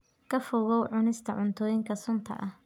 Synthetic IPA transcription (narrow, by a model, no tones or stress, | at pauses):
kʰɐfʊːɣɔwʕʊnɪst̪ʰɐʕʊnt̪ʰɔːjɪŋkʰɐsʊnt̪ʰɐ̰ʔɐh